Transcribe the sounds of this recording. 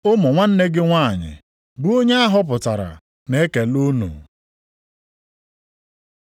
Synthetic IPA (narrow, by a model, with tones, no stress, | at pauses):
ʊ˦mʊ˨ŋʷa˦n̩˦ne˦ɡɪ˦ŋʷa˦˨ɲɪ̰˨ | bu˦o˦ɲe˦a˦ɦʊ˦p̬ʊ˨ta˨ɾa̰˨ | ne˦e˦ke˨lo˦nṵ˨